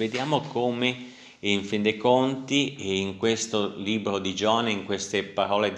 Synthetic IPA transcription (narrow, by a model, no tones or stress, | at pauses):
ved̪jaːmokoːme | iɱfind̪ekont̪iiŋkwest̪oliːbɾod̪id͡ʒɔːneiŋkwest̪epaɾɔːle